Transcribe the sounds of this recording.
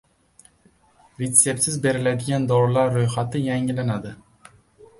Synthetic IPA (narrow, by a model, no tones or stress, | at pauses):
ɾet̪se̞p̚t̪sɪzbe̞ɾɪlad̪ɪɡʲand̪ɒɾlaɾːojχat̪ʰɪjaŋlanad̪ɪ